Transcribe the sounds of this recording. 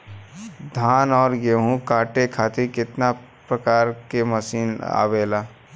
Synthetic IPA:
d̪ʱaːnɔːɾjeːɦũkaːʈekʰaːt̪ekɪt̪na | pɾəkaːɾkeməsiːna̰ːbeːlaː

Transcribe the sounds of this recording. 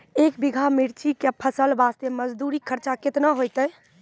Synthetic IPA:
eːkbiɡʱamiɾt͡ʃikepʰəsəlbaːst̪eməd͡ʒd̪uːɾikʰəɾt͡ʃakɪt̪naɦojt̪ə

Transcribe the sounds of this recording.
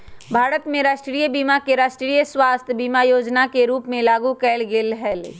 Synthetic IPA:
bʱaːɾət̪mẽɾaːʃʈɾiːjəbiːmakeɾaːʃʈɾiːjəswaːst̪ʰbiːmajoːd͡ʒnakeɾuːpmẽlaːɡukɛːlɡɪlɦɛːl

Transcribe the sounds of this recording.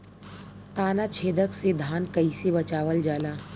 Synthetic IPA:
t̪aːnat͡ʃʰeːd̪əksed̪ʱaːnkəisebət͡ʃaːʋəld͡ʒaːlaː

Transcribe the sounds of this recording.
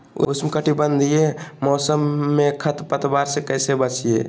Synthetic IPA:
ʊ̰ʊ̰smkəʈibənd̪ʱijemɔːsəmːẽkʰət̪pət̪baːɾsekəːsebət͡ʃiḛː

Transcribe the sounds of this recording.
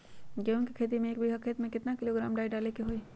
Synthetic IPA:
kjõːkikʰeːt̪̬imẽeːkbʱiɦakʰeːt̪mẽkɪt̪nakɪloɡɾaːmɖaːiɖaːlekeɦoiː

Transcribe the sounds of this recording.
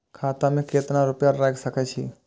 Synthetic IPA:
kʰaːt̪amẽkeːt̪naɾʊpjaɾɾaksəkɛt͡ʃʰiː

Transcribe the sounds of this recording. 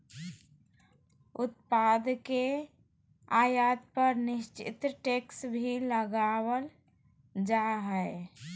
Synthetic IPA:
ʊt̪̚pad̪ke | ajat̪pəɾnɪʃt͡ʃɪ̰t̪ɾʈeksbʱiləɡawəl | d͡ʒaɦəe

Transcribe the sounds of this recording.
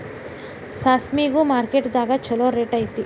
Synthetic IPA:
saːsmiːɡumaːɾkeʈd̪aːɡat͡ʃɐloːɾeʈɐjit̪i

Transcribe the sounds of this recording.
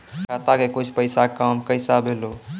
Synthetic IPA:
kʰat̪akekut͡ʃʰpəɪsakamkəɪsabʱelo

